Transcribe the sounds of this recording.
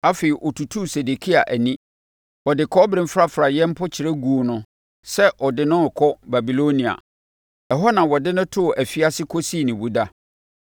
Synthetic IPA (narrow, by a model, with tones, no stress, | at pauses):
a˦fe˨i˨ʔɔ˨tʰu˨tʰu˦se˨de˨kʰi˦a˨ʔæ˨nĩ˦ | ɔ˨dɪ˨kʰɔ˦bɾɪ̃˦m˦fɾa˦fɾa˨jɛ̃˦m̩˦pʰɔ˦t͡ɕʰɪ˨ɾɛ˦ɡu˨o˨nʊ̃˦ | sɛ˦ʔɔ˨dɪ˦nʊ̃˦˨kʰɔ˦ba˨bi˨lo˦nĩ˨a̰˨ | ɛ˨ɦɔ˦nã˨wɔ˨dɪ˦nʊ̃˦tʰʊ˦˨ʔæ˨fi˦a˦sɪ˦kʰɔ˦si˦˨nɪ̃˨wu˦da˦